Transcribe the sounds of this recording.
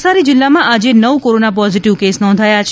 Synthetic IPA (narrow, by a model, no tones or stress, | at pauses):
saɾid͡ʒɪlːamãʔad͡ʒenəʋkoɾonapɔziʈiʋkesnɔ̃nd̪ʱajat͡ʃʰ